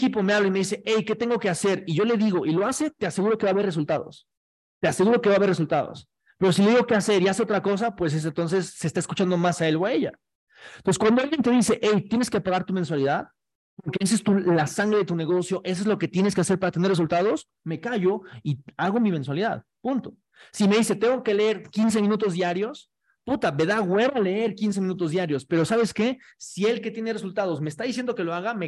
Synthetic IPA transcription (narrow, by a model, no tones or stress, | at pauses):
kipo̞me̞aβlaime̞ðise̞ʔejke̞t̪eŋɡoke̞ase̞ɾiʝo̞le̞ðiɣo̞ʔiloase̞t̪e̞ase̞ɣuɾo̞keβaːβe̞res̬ult̪aðo̞̰s | t̪e̞ase̞ɣuɾo̞keβaβeres̬ult̪að̞o̞̰s | pe̞ɾo̞s̬ileiɣo̞ke̞ase̞ɾiaseo̞t̪ɾako̞s̬apwe̞s̬es̬ent̪o̞ns̬e̞sːe̞ːst̪aeskut͡ʃand̪o̞masaelβaeʝa̰ | nonseskwand̪oalɣjent̪e̞ðise̞ʔejt̪jene̞skepaɣaɾt̪umenswaliðað | poɾkees̬oest̪ulasaŋɡɾeðet̪une̞ɣo̞sjo̞ʔe̞s̬oezlo̞ke̞t̪je̞neske̞aseɾpaɾat̪eneres̬ult̪aðo̞s | me̞kaʝoiaɣo̞mimenswaliða̰ðpunt̪o̞̥ | sime̞ðise̞t̪e̞ŋɡo̞ke̞leeɾkins̬e̞mĩnut̪̬o̞zðjaɾjo̞s | put̪ame̞ðaɣwe̞βale̞e̞ɾkins̬emĩnut̪̬o̞zðjaɾjo̞spe̞ɾo̞saβe̞ske̞ | sie̞lke̞t̪je̞ne̞result̪að̞o̞smeːst̪aðis̬je̞nd̪o̞ke̞lo̞aɣame